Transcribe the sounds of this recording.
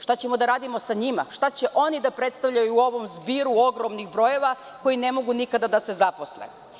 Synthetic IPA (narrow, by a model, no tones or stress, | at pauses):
ʃt̪at͡ɕemo̞d̪aɾaːd̪imo̞saɲima̰ʃt̪at͡ɕe̞ʔo̞nid̪apɾet̪st̪aʋʎajuo̞ʋo̞mzbiːɾuo̞ɡɾo̞mniɣbɾo̞je̞ʋa | ko̞ine̞mo̞ɡunikad̪ad̪ase̞zapo̞slḛ